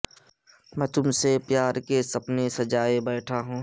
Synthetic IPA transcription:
mɛ̃ːt̪ʊmsepjaːɾkesɐpnesɐd͡ʒaːebɛːʈʰaɦũː

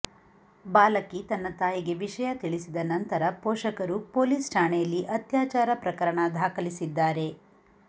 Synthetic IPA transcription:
baːlɐkit̪ɐnːɐt̪aːjiɡe̞ʋiʂɐjɐt̪iɭisid̪ɐnɐnt̪ɐɾɐpɔːʃɐkɐɾupoːliːsʈaːɳejɐlːiʔɐt̪jaːt͡ʃaːɾɐpɾɐkɐɾɐɳɐd̪ʱaːkɐlisid̪ːaːɾe̞

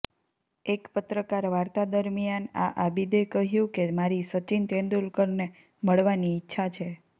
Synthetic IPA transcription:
ekpət̪ɾəkaɾʋaɾt̪ad̪əɾmijana̰ʔabid̪ekəɦjũkemaɾisət͡ʃint̪ẽnd̪ulkəɾne | məɭʋaniːtːʃʰat͡ʃʰe

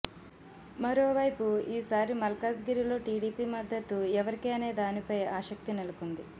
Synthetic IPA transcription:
mɐɾo̞ːʋɐjpuiːsaːɾimɐlkaːsɡiɾilo̞ːʈiːɽiːpiːmɐd̪ʱːɐt̪uɛʋɐɾikeːɐne̞ːd̪aːnipɐjaːʃɐk̚t̪inelukund̪i

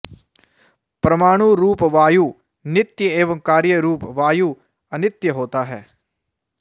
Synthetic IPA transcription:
pɾəmaːɽ̃uːɾuːpʋaːjuː | nɪt̪jəeːʋə̃ŋkaːɾjəɾuːpʋaːjuː | ənɪt̪jəɦoːt̪aːɦɛː

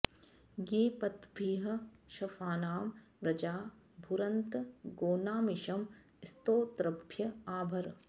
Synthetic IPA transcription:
ɡeːpɐt̪bʱiːɦɐ̆ʃɐfaːnaːm | ɾɐd͡ʒaː | bʱuɾɐnt̪ɡoːnaːmɪʃɐm | st̪oːt̪ɾɐbʱjɐaːbʱɐɾ

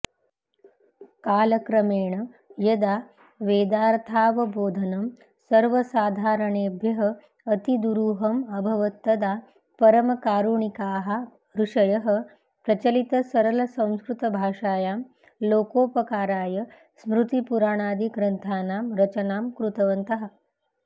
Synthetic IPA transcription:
kaːlɐkɾɐmeːɳɐ | jɐd̪aː | ʋeːd̪aːɾt̪ʰaːʋɐboːd̪ʱɐnɐm | sɐɾʋɐsaːd̪ʱaːɾɐɳeːbʱjɐɦɐ | ɐt̪id̪uɾuːɦɐmɐbʱɐʋɐt̪ːɐd̪aː | pɐɾɐmɐkaːɾuɳikaːɦɐ | ɾuʂɐjɐɦɐ̆ | pɾɐt͡ʃɐlit̪ɐsɐɾɐlɐsɐ̃w̃skɾut̪ɐbʱaːʂaːjaːm | loːkoːpɐkaːɾaːjɐ | smɾut̪ipuɾaːɳ̃aːd̪iɡɾɐnt̪ʰaːnaːmɾɐt͡ʃɐnaːmkɾut̪ɐʋɐnt̪ɐɦɐ̆

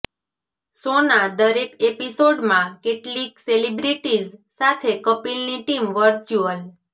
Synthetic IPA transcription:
sonad̪əɾekepisoɖmãkeʈlikselibɾiʈizsat̪ʰekəpilniʈimʋəɾt͡ʃuəl

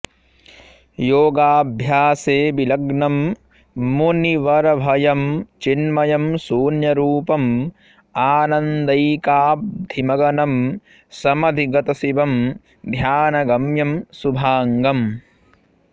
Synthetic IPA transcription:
joːɡaːbʱjaːseːbilɐɡnɐm | muniʋɐɾɐʋʱɐjɐmt͡ʃinmɐjɐmsuːnjɐɾuːpɐm | aːnɐnd̪ɐjkaːp̚d̪ʱimɐɡɐnɐm | sɐmɐd̪ʱiɡɐt̪ɐsibɐm | d̪ʱjaːnɐɡɐmjɐmsubʱaːŋɡɐm

